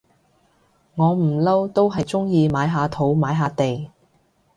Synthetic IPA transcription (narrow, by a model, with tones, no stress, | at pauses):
ŋɔː˨˧m̩˨˩lɐ˥wt̪o˥wɦɐ˨jt͡sʊ˥ŋjiː˧maː˨˥jɦaː˧t̪ʰo˨˥wmaː˨˥jɦaː˨˧t̪e˨j